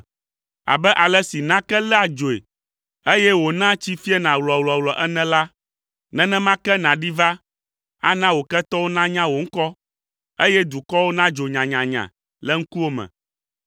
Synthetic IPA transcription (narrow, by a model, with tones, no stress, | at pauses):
a̰˨bɛ˦ʔa˨lɛ˦si˨nã˦kɛ˦lɛ˦a˨d͡ʒo˨ḛ˨ | e˦jɛ˦wo˨nã˦t͡ɕi˦fi˦ɛ˦nã˨wlɔ˨wlɔ˨wlɔ˨ʔɛ˦nɛ̃˦la˦ | nɛ̃˦nɛ̃˦mã˦kɛ˦nã˨ɖi˦va˦ | a̰˦nã˦wo˨kɛ˦t̪ɔ˦wo˦nã˦ɲã˦wo˨ŋ̩˦kɔ˦ | e˦jɛ˦d̪u˨kɔ˦wo˦nã˦d͡ʒo˨ɲã˨ɲã˨ɲã̰˨ | lɛ˦ŋ̩˦ku˦wo˦mɛ̰̃˨